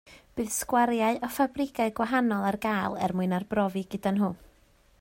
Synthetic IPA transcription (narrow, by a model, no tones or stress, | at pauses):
b̥ɨːðskwaɾjaɨʔɔfabrɪɡaɨɡwaɦanɔlˠarɡaːlˠɛ̰rmʊɨnarbrɔvɨɡədanɦʊ